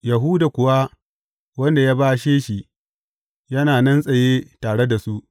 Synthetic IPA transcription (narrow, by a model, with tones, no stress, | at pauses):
jɐ˨ɦu˦da˨kʷʊ˨wa˦ | wɐ˦nda˨jaː˦baː˦ʃeː˦ʃi˨ | jɐ˦naː˨nɐ˦nsʼɐ˨jeː˦taː˨ɽe˦da˨su˦ʔ